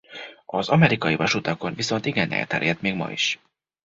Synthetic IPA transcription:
ɒzɒmɛɾikɒjivɒʃut̪ɒko̞nviso̞nt̪iɡɛnɛ̰lt̪ɛ̰ɾjɛt̪meːɡmɒ̰ḭʃ

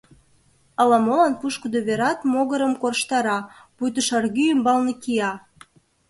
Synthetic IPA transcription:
ɑlɑmolɑnpuʃkəd̪oβeɾɑt̪moɣəɾəmkorʃt̪ɑɾɑpujt̪əʃɑrɣyymbɑlnekiɑ

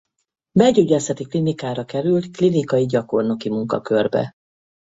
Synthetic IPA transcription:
bɛɟyɟɛlsɛt̪iklinikaːɾɒkɛɾylt̪klinikɒjiɟɒko̞rnokimuŋkɒ̰kørbɛ̰

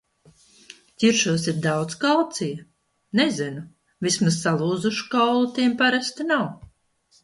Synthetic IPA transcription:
cʲiɾʃuɔsʲit̪̚d̪awd̪skalˠt̪sij | nezinu | vismazːalˠuːd̪zuʃu̥kawlˠut̪iɛmpaɾast̪inaw

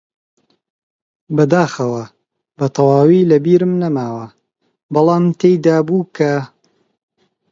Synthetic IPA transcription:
bɐd̪aːxɐwɐ | bɐt̪ʰɐwaːwilɐbiːɾɨmnɐmaːwɐ | bɑlˠaːmt̪ʰejd̪aːbuːkʰɐ

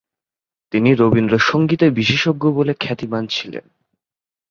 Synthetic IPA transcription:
t̪iniɾobind̪ɾoʃoŋɡit̪ebiʃeʃoɡːobolekʰɛt̪imant͡ɕʰilḛn

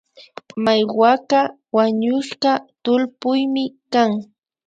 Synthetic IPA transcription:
majwaka | waɲʊʃɢɑt̪ʊlpʊjmɪkaŋ

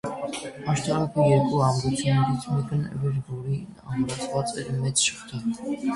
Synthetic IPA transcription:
ɑʃt̪ʰɑɾɑkʰəjɛɾkʼuɑmɾɛt͡sʰɛnɛɾit͡sʰmɛkʰənvɛɾbɔɾi | ɑ̰mɾɑt͡sʰvɑt͡sʼɛɾmɛt͡sʃə̥χt̪ʰɛ

